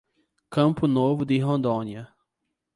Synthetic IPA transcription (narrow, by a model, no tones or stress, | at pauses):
kɐ̃mpʊnovʊd̪ɪɦõnd̪õniɐ